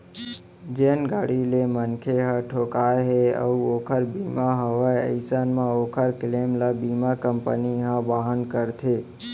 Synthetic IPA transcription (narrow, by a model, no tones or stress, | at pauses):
d͡ʒeːnɡaːɽilemənkʰeɦaʈʰoːkaːeɦeə̰uoːkʰəɾbiːmaɦəʋaəɪsaːnmãoːkʰəɾkleːmlabimakəmpə̰niɦãbaɦənkəɾt̪ʰe